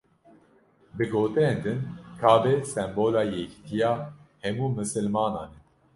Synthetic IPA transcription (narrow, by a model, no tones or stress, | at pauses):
bɨɡoːt̪ɨɾeːnd̪ɨnkʰɑːbɛsɛmboːlɑːjɛki̥t̪ʰijɑːhɛmuːmɨsɨlmɑːnɑːnɛ